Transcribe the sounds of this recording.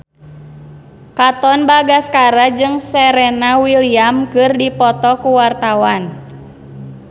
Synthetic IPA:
kat̪ɔnbaɡaskaɾad͡ʒɨŋsɛɾɛnawiliamkɨrdipɔt̪ɔkuwart̪awan

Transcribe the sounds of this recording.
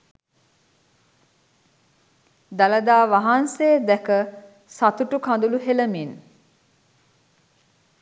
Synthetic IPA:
d̪aləd̪aːʋaɦanseːd̪ɛkə | sat̪uʈukand̪uluɦeləmin

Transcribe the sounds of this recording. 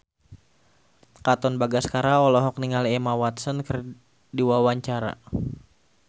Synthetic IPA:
kat̪ɔnbaɡaskaɾaɔlɔɦɔk̚niŋalɛmawat̪sɔnkər | diwawaɲt͡ʃaɾa̰

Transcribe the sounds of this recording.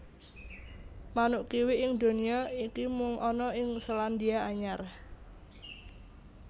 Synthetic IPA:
manuʔkiwɪɪŋd̪o̤niɔikimʊŋʔɔnɔɪŋsəland̪iaaɲar

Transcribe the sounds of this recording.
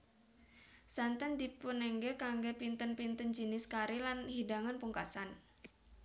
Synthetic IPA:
sant̪andipunɛŋɡɛkaŋɡɛpint̪ənpint̪ənd͡ʒənɪskaɾilanɦidaŋanpuŋkasan

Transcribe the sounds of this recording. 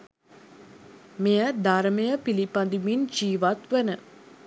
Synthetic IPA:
mejəd̪aɾəmejəpilipand̪imind͡ʒiːʋat̪ʋenə

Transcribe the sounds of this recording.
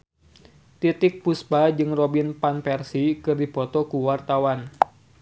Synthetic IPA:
t̪it̪ɪk̚puspad͡ʒɨŋrobinpanpɛrsikɨrdipɔt̪ɔkuwart̪awan

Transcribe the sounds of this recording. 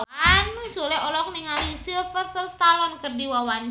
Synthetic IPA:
anːusulɛɦɔlɔk̚niŋalisilfərsəlst̪alɔnkərdiwawan

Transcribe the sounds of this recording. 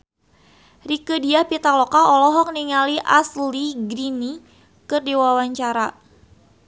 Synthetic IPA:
rikədiapit̪aklɔkaɔlɔɦɔk̚niŋaliʔasliɡɾini | kɨrdiwawaɲt͡ʃaɾa

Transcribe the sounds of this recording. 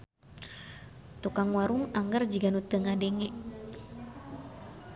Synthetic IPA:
t̪ukaŋwaɾuŋaŋɡərd͡ʒiɡanut̪əŋadɛŋɛʔ

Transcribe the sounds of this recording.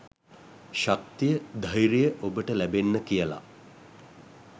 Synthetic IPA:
ʃak̚t̪ijəd̪ʱajɾijəʔobəʈəlæbenːəkijəla̰

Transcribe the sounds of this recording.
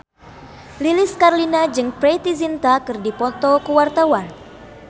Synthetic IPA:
lilɪskarlinad͡ʒɨŋpɾet̪izint̪akɨrdipɔt̪ɔkəwart̪awan

